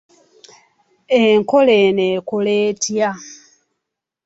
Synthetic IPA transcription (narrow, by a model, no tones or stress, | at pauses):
eŋkoleneːkoleːtja